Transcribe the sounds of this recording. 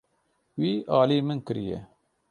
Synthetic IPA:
wiːʔɑːliːmɨnkɨɾḭjɛ̰

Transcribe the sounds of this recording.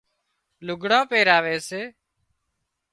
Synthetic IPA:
lʊɡʱɽãːpeːɾaːʋeːseː

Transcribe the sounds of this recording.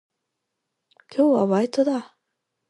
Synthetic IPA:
kʲʰo̞ːβa̰βait̪od̪a

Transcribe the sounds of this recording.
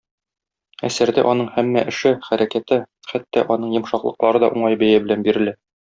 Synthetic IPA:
æ̰sæɾd̪æʔɒnɤɴhæmːæʔɘ̆ʃɘχæɾækæt̪ɘ | χæt̪ːæʔɒnɤɴjɤ̆mʃɑqlˠɤ̆qlˠɑɾɤd̪ɒ̰ʔuɴɑjbæjæbɘ̆lænbiɾɘ̆læ

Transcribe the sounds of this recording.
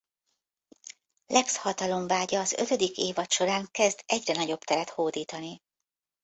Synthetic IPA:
lʔɛkshɒt̪ɒlo̞ɱvaːɟɒːzø̞̰t̪ø̞d̪ikeːvɒt̪ʃo̞ɾaːŋkɛzd̪ɛɟrɛnɒɟo̞bt̪ɛɾɛt̪hoːd̪iːt̪ɒni

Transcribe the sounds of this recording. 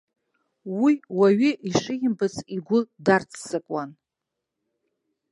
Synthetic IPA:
wiwaɥiʔiʂɨjɪmbɨt͡sʰʼiɡʷʊdart͡sʰsɨkʼan

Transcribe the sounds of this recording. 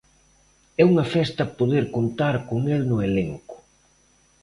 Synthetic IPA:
ɛuŋɐfɛst̪ɐpoðeɾkont̪aɾkoŋelnʊeleŋkʊ̥

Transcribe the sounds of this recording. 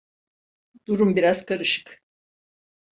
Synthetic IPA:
d̪̥uɾumbiɾaz̥kʰaɾɯʃɯ̥k

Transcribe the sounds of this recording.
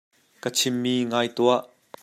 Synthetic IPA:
kət͡sʰɪmːiːŋaːjt̪uaʔ

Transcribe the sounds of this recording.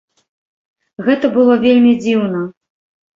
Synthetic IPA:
ɣɛt̪ɐbɨlˠɔvʲelʲmʲid͡zʲiwnɐ

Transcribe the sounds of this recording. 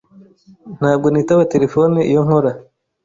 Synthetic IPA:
n̥haːb̚ɡo̞niːtaβate̞ɾe̞fo̞niijo̞ŋ̥oɾa

